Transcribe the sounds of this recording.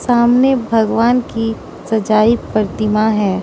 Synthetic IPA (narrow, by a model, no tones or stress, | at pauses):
saːmnebʱɐɡʋaːnki | sɐd͡ʒaːipəɾt̪ɪmaɦɛ̃ː